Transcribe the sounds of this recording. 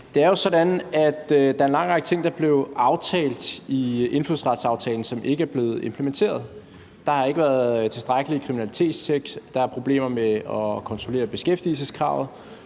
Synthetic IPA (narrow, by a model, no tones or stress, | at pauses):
d̥e̝æɐjo̝sɒ̽dænæd̥d̥ɑ̈ɐe̝nlɑ̈ŋ̰ʁɑɡ̥ə̥t͡sʰe̝ŋ̰d̥ɑb̥le̝ʊʔɑ̈ʊt͡sʰɛ̰ːld̥iʔe̝nfluðˠsʁɑ̈d̥sɑ̈ʊt͡sʰɛːln̩sɒ̽mʔe̝ɡ̥əæɐb̥le̝ːð̞̩ˠe̝mpʰləment͡sʰe̝̰ːɐð̞ˠ | d̥ɑ̈hɑ̈e̝ɡ̥əʋæːɐððˠt͡sʰe̝sd̥ʁɑ̈ɡ̥əlikʰʁiminælit͡sʰe̝̰ːd̥st͡sʰeɡ̥sd̥ɑ̈æɐpʰʁo̝b̥le̝̰ːmɐmeɒ̽kʰɒ̽nt͡sʰʁo̝le̝̰ːɐb̥e̝sɡ̥efd̥ilsəskʰʁɑ̰̈ʊð̩ˠ